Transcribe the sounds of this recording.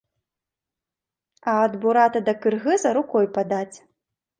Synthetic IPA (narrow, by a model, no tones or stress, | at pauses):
ɐːd̪buɾat̪ɐd̪ɐkɨrɣɨzɐɾukɔjpad̪at͡sʲ